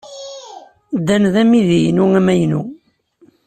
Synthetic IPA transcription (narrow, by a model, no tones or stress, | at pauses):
d̪ːænðæmiðijnuæmæjnu